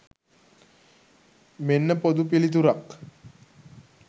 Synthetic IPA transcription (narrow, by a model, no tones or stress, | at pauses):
menːəpod̪upilit̪̬uɾak